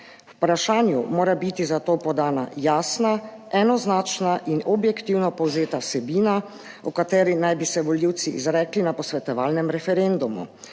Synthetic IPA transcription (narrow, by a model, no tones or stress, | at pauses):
wpɾaʃaːnjumoːɾabit̪izat̪oːpɔd̪aːna̰jaːsnaɛnɔznaːt͡ʃnaʔinɔbjɛkt̪iwnɔpɔwzeːt̪asɛbiːna | ɔkat̪ɛːɾinajbisɛʋɔljiwt̪siʔḭzɾɛːklinapɔsʋɛt̪ɔʋaːlnɛmɾɛfɛɾend̪umṵ